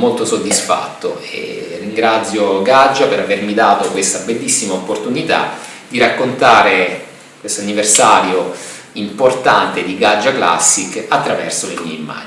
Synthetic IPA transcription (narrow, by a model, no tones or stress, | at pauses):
molt̪osod̪ːisfa̰t̪ːo̰ḛrːiŋɡɾat̪sːjoɡad͡ʒːapeɾavermid̪aːt̪okwest̪abelːisːimaopːort̪unit̪a̰ | d̪iɾakːont̪aːɾe | kwest̪oanːiversaːɾjo | import̪ant̪ed̪iɡad͡ʒːakla̰sːikat̪ːɾavɛ̰rsolemḭḛimːa̰ːd͡ʒ